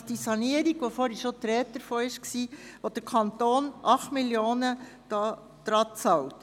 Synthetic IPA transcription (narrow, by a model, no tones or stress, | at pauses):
d̥isɑniəɾiɡʋofoːɾiʃot̪ɾɛːt̚dəɾfoːɪʃksiːʋod̥əɾkʰɑnt̪oːnʔɑχtmiljoːnəd̥ɑː | d̥ɾɑt͡sɑlt